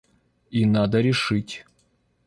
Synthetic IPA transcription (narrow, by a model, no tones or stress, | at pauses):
inad̪əɾʲɪʂɨtʲ